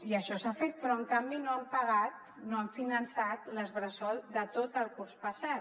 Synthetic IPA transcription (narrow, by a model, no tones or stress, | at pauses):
iəʃɔsafet̪̚pɾɔəŋkambinoampəɣat̪̚ | noəɱfinənsat̪ləzβɾəsɔlˠd̪ət̪ot̪əlˠkuɾspəsat̪